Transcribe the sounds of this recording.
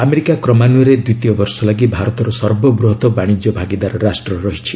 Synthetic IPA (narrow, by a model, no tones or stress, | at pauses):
ameɾikakɾɔmanuɔɾed̪ut̪ijɔbɔɾsɔlaɡibʱaɾɔt̪ɔɾɔsɔɾbɔbɾuɦɔt̪ɔbaɽ̃id͡ʒjɔbʱaɡid̪aɾɔɾasʈɾɔɾɔɦit͡ʃʰi̥